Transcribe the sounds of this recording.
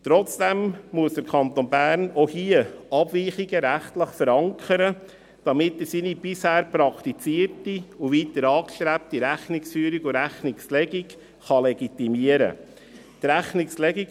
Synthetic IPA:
t̪ɾɔt͡sd̥ɛmmuəsd̥əɾkʰɑnt̪onbæːɾnohiəɑbviːχiɡəɾæχtləχfəɾɑŋkʰəɾə | d̥ɑmɪtːəsinib̥ɪshæːɾpɾɑkʰt̪it͡siəɾtiuʋiːt̪əɾɑːkʃt̪ɾæp̚tiɾæχnɪksfyːɾiɡʊɾæχnɪkslɛɡik | χɑlɛɡit̪imiəɾə̰ | t̪ɾæχnɪkslɛɡik

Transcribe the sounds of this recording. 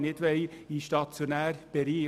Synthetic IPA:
nɪd̥̪ʋɛjiʃtɑt͡sjonæːɾb̥ɛɾiː

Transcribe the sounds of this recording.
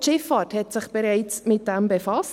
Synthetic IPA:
ʃɪfɑːthɛtsɪχb̥ɛɾɛɪt͡smɪt̚d̥ɛmbefɑs

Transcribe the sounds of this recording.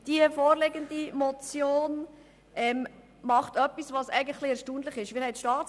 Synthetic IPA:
d̥iəfoːɾleɡəndimɔt͡sjoːn | ʔɛm | mɑχtœpːisvɑsɛ̰ɪɡən̩χlɪɛɾʃtuːəndləχɪʃʋɪɾhɛɪtʃtɑːt͡s

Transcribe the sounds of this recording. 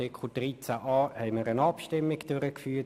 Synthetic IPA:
ɪkʰud̥rit͡sæʔɑːhɛɪməɾənɑpʃtɪmːɪɡd̥øɾəkfyːɐ

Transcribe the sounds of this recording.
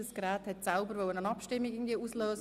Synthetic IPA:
əsɡɾɛːthɛtsaʊbəɾvʋœlənənɑpʃtɪmːiɡɪɡŋ̩dviːʔuːsløːs

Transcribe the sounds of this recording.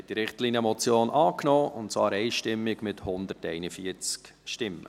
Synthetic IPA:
ɛt̚d̥iɾɪχtlinjəmɔt͡sjoːnʔɑːknɔːʊntt͡svɑːɾɛɪʃtɪmːɪɡmɪthʊnd̪əɾtɛɪnəfiəɾt͡sk | ʃtɪmːə̰

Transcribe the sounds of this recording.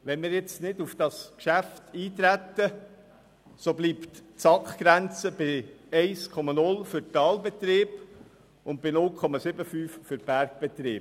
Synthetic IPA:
ʋɛnmɪːɾjɛt͡snɪdufd̥ɑskʃæftiːt̪ɾæt̪ːə | sobliːptsɑkχɡ̥ɾænt͡səb̥ɪɛɪskʰɔmɑnʊlfʏɾtɑːlbet̪ɾɪːb | ʊnt̚b̥ɪnʊlkʰχɔmɑsɪbəfyːffʏɾb̥æɾk̚b̥et̪ɾɪːb

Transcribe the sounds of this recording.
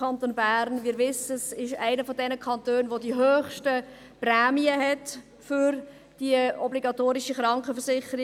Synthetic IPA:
ɑntoːnbæːɾnvɪːɾʋɪsəsɪʃæ̰ɪnəfɔdɛnəkʰɑntøːnʋodiɦøːχʃtə | prɛːmiəɦɛt | fʏɾ | d̥iəɔbliɡɑtoːɾɪʃəχɾɑŋkəfərsɪχəɾi

